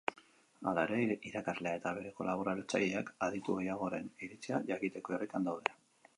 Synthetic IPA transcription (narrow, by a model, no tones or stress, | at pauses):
alaeɾe̞iɾakazle̞ae̞t̪aβe̞ɾe̞ko̞laβ̞o̞ɾalt͡sa̰ʎeakaðit̪uejaɣo̞ɾe̞niɾit͡siaʝakit̪e̞ko̞erekand̪awð̞e̞la